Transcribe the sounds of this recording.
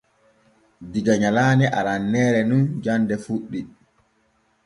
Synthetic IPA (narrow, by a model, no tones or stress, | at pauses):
diɡaɲalaːnɛʔaɾanːɛːɾɛnund͡ʒandɛfuɗːi